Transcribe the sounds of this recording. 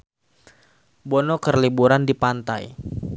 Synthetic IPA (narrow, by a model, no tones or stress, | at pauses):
bɔnɔkərlibuɾandipant̪aj